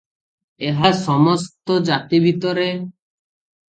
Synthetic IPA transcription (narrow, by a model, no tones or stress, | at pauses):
eɦasɔmost̪od͡ʒat̪ibʱit̪ɔɾe